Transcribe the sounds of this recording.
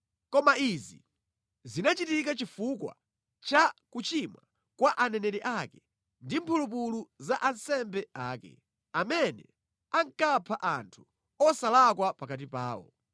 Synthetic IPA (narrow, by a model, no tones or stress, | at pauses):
kɔmaizi | zinat͡ʃitikat͡ʃifukwa̰ | t͡ʃakut͡ʃimwa | kwaʔanɛnɛɾɛʔakɛ | ndimpʰulup̬uluzaʔansɛmbɛaːkɛ̰ | amɛnɛ̰ | aŋkapʰaʔantʰu̥ | ɔsalakwapakat̬ipaːwɔ̰